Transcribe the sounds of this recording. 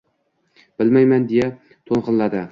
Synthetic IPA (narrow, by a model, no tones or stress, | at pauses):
b̥ɪlmajmand̪eja | t̪ʰonˠqɨnlad̪ɪ